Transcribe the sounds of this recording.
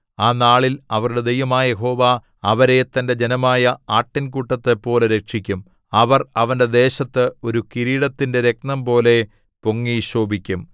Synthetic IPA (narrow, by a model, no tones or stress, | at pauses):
aːnaːɭilɐʋɐruɽe̞d̪ejʋɐmaːɐjeɦo̞ːʋaː | ɐʋɐɾet̪ːɐnde̞d͡ʑe̞nɐmaːjɐaːʈːink̬uʈːɐt̪ːepːo̞ːleɾekʂikʲːum | ɐʋɐrɐʋɐnde̞d̪e̞ːɕɐt̪ːɨo̞ɾukiɾiːɽɐt̪ːinde̞ɾe̞k̚nɐmpo̞ːle̞ | poŋːiɕoːbikʲːum